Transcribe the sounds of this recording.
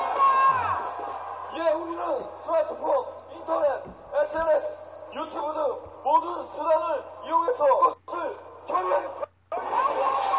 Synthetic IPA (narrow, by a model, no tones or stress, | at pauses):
ijeuɾinɯnsʰɯat̪ʰɯpʰok̚ | intʰʌnet̚ | esʰeɾesʰjutʰjubudɯmodɯnsudanɯɭijoŋesʰʌkossʰɯɭkʰemen